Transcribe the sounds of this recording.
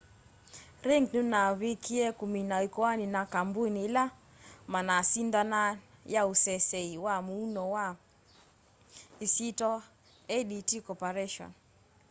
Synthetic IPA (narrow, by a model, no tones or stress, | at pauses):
ɾɛŋɡnunaβikiɛkuminaikɔaninakambunila | manasindanajausɛsɛiwamuunɔwa | isitɔ | ɛditikɔpaɾɛʃɔ̰n